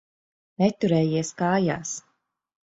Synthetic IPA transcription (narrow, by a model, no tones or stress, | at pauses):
nɛt̪uɾɛːjiɛskaːja̰ːs